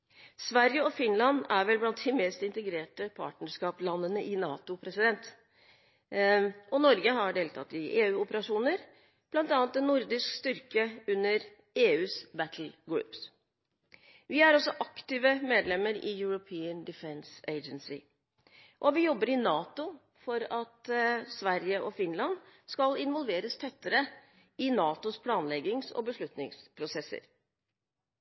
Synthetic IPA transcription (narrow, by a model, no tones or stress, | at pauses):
sʋæɾjəɔfɪnlɑnæɾʋɛlblɑnt̪̚d̪ɪmeːst̪ɪnt̪əɡɾeːʈəpʰɑ̰ʈnəʂkɑːplɑnːənəʔɪnɑːt̪ʊpʰɾɛsɪd̪ɛnt̪ | ɔnɔɾɡəɦɑɖeːlt̪ʰɑ̰t̪ɪʔeːʉːʊpəɾɑʂuːnəɾ | b̥lɑnt̪ɑːnt̪̚d̪ɛnːʊɾd̪ɪʂkst̪ʏɾkəʉnːəɾ | eːʉːsbæt̪ʰl̩ɡɹʉ̰ːps | ʋɪæɾɔsɔʔɑkt̪ɪʋəmeːd̪lɛmːəɾɪjʉɹʊpʰiːənd̪ɪfɛnseɪd͡ʒənsɪ | ʔɔʋɪjɔbːəɾɪnɑːt̪ʊ | fɔɾɑt̪sʋæɾjəʔɔfɪnlɑnskɑlɪnʋɔlʋeːɾəst̪ʰɛt̪ːəɾə | ɪnɑːt̪ʊspʰlɑːnlɛɡɪŋsɔ̰bəʂɭʉt̪nɪ̰ŋspʰɾʊsɛsə̰ɾ